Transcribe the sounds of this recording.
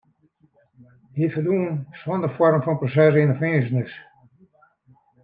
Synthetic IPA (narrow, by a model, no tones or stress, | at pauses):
hifərduənsɔndərfɔrmfɔnprosɛs̬ɪnəfesənɪs